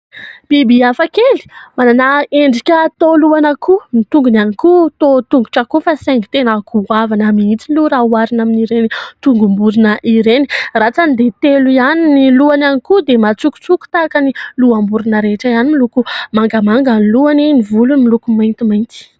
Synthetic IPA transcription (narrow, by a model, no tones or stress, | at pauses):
b̥ibiafakeli̥mananaeɳɖ͡ʐikʲət̪oluanəkʰumit̪uŋɡunanikut̪ot̪uŋɡuʈ͡ʂakufaseŋɡi̥t̪enəɡuavanamiit͡siluɾauaɾinaminiɾenit̪uŋɡumbuɾinəʔiɾenirat͡sanid̪et̪eluianiniluananikud̪emat͡suku̥t͡suku̥t̪akəniluambuɾunəɾeʈ͡ʂəianimilukumaŋɡamaŋɡanluaninivulumilukumajnt̪imajnt̪i̥